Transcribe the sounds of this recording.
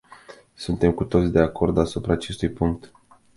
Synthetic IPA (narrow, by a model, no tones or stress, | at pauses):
sunt̪e̞mkut̪o̞t̪sʲd̪e̞ako̞rd̪asupɾaːt͡ʃe̞st̪ujpuŋk̚t̪